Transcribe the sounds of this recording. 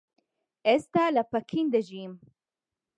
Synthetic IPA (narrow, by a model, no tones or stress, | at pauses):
est̪alapakʰind̪əʒim